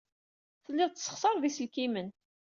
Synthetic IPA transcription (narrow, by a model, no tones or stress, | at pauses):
θəlːɪʁˤt̪sːə̥χsˤɑɾˤðisəlkimən